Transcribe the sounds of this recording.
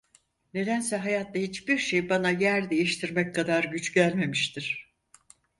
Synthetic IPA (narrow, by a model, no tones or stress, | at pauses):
ne̞d̪ænsɛɦajat̪lahit͡ʃbiɾʃejbanajæɾd̪e̞jiʃt̪ʰiɾmɛckʰːad̪aɾɟyt͡ʃɟælʲme̞miʃt̪ʰiɾ̥